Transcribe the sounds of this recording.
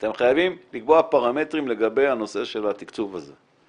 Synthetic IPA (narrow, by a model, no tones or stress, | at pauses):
at̪e̞mχajavimlikboapaʁame̞t̪ʁimle̞ɡabe̞jano̞se̞ʃe̞lat̪ikt͡suvaze̞̰